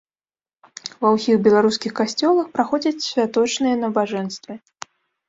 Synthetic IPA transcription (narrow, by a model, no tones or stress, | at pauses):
vɐwsʲixbʲɛlˠaɾuskʲixkasʲt͡sʲɔlˠɐxpɾaxɔd͡zʲɐt͡sʲsʲvʲat̪ɔt͡ʂnɨjɐnɐbaʐɛnst̪vɨ